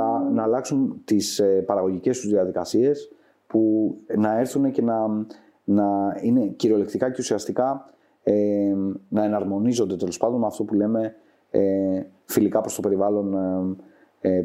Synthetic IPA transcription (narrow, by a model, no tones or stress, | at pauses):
ɐnɐːlɐksunt̪ispɐɾɐɣo̞ʝice̞st̪uzðiɐðikɐsie̞s | punɐe̞ɾθunece̞nɐ | nɐine̞ciɾio̞lekt̪ikɐce̞usiɐst̪ikɐ | e | nɐe̞nɐɾmo̞nizo̞nd̪e̞t̪e̞lo̞spɐnd̪o̞nmɐft̪o̞pule̞me̞ | filikɐpɾost̪ope̞ɾivɐlo̞n